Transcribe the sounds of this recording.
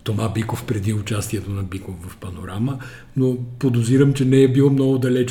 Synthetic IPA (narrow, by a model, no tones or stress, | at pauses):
t̪omabikofpɾɛd̪iʊt͡ʃast̪iɛt̪onɐbikovvɐfpɐnoɾamə | nopod̪ʊziɾəmt͡ʃɛnɛːbilˠmnɔɡʊd̪ɐlɛt͡ʃ